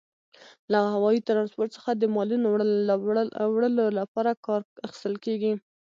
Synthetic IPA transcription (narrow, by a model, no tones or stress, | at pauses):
lahawɑjit̪aɾɑnspoɾʈ̪sə̥xad̪əmɑlunowɽə | wɽəlolapɑɾakɑɾaxi̥st̪əlkeɡi